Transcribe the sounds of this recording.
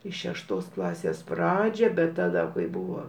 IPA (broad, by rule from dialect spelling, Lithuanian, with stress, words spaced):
iː ʃʲɛʃˈtoːs ˈklˠɑːsʲeːs ˈprɑːd͡ʒʲæː bʲɛt tɐˈdɐ kɐɪ ˈbʊʋoː